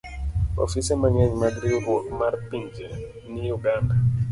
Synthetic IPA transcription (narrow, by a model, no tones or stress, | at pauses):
o̰fisɛmaŋɛɲmadɾiɾwɔkmarpiɲd͡ʒe | nijuɡanda